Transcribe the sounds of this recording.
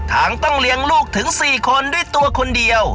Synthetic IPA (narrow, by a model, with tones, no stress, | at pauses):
t̪ʰaː˩˦ŋt̪ɔ˥˩ŋli˧əŋluː˥˩k̚t̪ʰɯ˩˦ŋsiː˨˩kʰo˧ndu˥˩əjt̪u˧ɐkʰo˧ndi˧əw